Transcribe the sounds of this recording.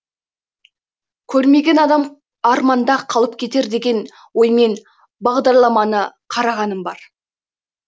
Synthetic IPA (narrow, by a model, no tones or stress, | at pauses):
kʲʰɵɾme̞ɡʲe̞nɑd̪ɑm | ɑɾmɑnd̪ɑqʰɑlˠəp̚kʲʰe̞t̪e̞ɾd̪e̞ɡʲe̞n | wo̞jme̞n | bɑʁd̪ɑɾlˠɑmɑnəqʰɑɾɑʁɑnəmbɑɾ